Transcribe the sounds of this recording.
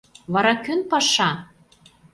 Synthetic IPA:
βɑɾɑkønpɑʃɑ

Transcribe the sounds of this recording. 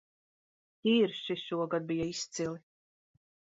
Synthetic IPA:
t̪iːrʃiʃuɔɡad̪bijaist͡s̪ili

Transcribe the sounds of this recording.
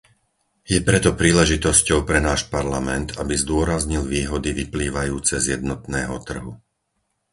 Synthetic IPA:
jɛpɾɛt̪ɔpɾiːlɛʒit̪ɔscɔʊpɾɛnaːʃpaɾlamɛnt̪abizd̪ʊɔɾazɲilʋiːɦɔd̪iʋipliːʋajuːt͡sɛzjɛd̪̚nɔt̪nɛːɦɔt̪r̩ɦu

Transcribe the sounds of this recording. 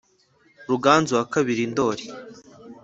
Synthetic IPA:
ɾuɡaːnzuakaβiɾindo̞ːɾi

